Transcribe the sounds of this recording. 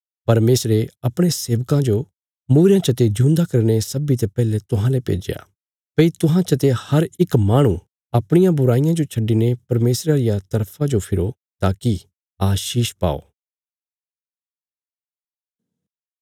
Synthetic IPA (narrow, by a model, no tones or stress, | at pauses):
pɐɾmeːsɾeɐpɽ̃eseːʋkãd͡ʒo | muːɾjãt͡ʃɐt̪ed͡ʒũːnd̪akɐɾñesɐbit̪epɛːlet̪ʊɦãlepḛːd͡ʒja̰ː | pɐit̪ʊɦãt͡ʃɐt̪ehɐɾɪkmaːɽ̃ũ | ɐpɽ̃ɪjãbʊɾaːɪjãd͡ʒot͡ʃʰɐɖinepɐɾmeːsɾaɾɪjat̪ɐɾpʰãd͡ʒopʰɪɾo | t̪aːki | aːʃiːʃpa̰ːo̰ː